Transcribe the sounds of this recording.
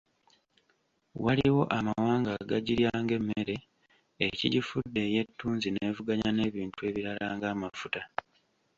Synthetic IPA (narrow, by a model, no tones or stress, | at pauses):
waliwo̞ʔamawaːŋɡaɡaɟiɾjaːŋɡe̞mːeɾe̞ | ecḭɟifudːe̞ːje̞tːuːnzine̞ːvuɡaɲane̞ːβiːntue̞ːβiɾalaːŋɡaːmafuta